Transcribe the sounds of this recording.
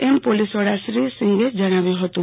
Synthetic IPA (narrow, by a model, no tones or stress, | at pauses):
empolisʋəɽaʃɾisɪ̃ŋɡed͡ʒəɽ̃aʋjuɦət̪ũ